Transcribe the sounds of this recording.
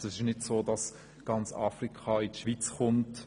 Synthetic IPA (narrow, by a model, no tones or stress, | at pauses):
ɛsɪʃnɪdsoːdɑs | ɡ̥ɑnt͡sɑ̰ːfrikχɑɪtʃʋit͡sχʊnt